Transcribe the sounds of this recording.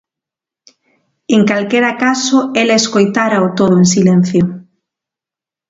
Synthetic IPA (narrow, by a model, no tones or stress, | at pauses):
eŋkalkeɾakasʊelaeskojt̪aɾaot̪oð̞ʊensilen̟θjo